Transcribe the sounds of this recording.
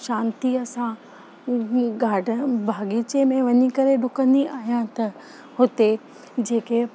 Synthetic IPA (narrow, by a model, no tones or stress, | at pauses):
ʃãːnt̪iɐsã | ɡaːɖʱbʱaːɡit͡ɕemẽʋɐɲikɐɾeɖʊkə̃nd̪iʔaːɦijãt̪ɐ | hʊt̪e | d͡ʑeːke